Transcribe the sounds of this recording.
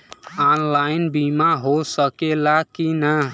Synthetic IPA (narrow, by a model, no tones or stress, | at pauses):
anlaɪnbimaɦosəkelakinə